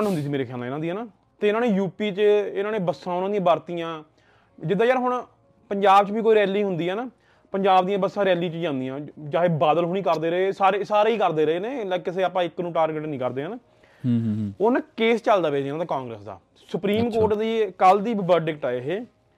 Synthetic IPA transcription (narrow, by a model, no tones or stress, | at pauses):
nɦʊnd̪iːsiːmeːɾeːkʰjaːlːɪnãːd̪iːɦɛːnaː | t̪eːɪnãːneːjuːpiːt͡ʃəɪnãːnẽːbəsːãːʊnãːd̪ijãːbaːɾt̪iːjãː | d͡ʒɪd̪ːãːjəɾɦʊɳ | pəɲd͡ʒaːbt͡ʃbiːkoːiːɾɛːliːɦʊnd̪iːɦɛːnaː | pəɲd͡ʒaːbd̪ijãːbəsːãːɾɛːliːt͡ʃd͡ʒãːnd̪ijãːd͡ʒaːɦeːbaːd̪əlɦoːniːkəɾd̪eːɾəeːsaːɾeːsaːɾeːiːkəɾd̪eːɾəeːneːlːkɪseːaːpãːɪkːnũːʈaːɾɡeʈnĩːkəɾd̪eːnː | ʊnakeːst͡ʃəld̪aːʋeːd͡ʒaːnːt̪aːkãːŋɡɾə̰ːsd̪a̰ː | sʊpɾiːmkoːʈd̪iːkəld̪iːʋəɾɖɪkʈaːeɦeː